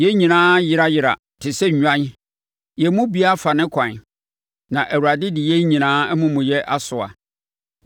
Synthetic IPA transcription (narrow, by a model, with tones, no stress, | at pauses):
jɛ˦ɲĩ˨nãː˦jɪ˦ɾa˦jɪ˨ɾa̰˨ | tʰɪ˨sɛ˦˨ɲᶣã˦n˦ | jɛ˨mũ˦bi˦a˦fa˨nɪ̃˦kʷʰã˨n˨ | nã˨ʔæ˨wu˨ɾa˨dɪ˦dɪ˨jɛ˦ɲĩ˨nãː˦mʊ̃˦mʊ̃˨jɛ˦ʔa˦sʊ˨a̰˨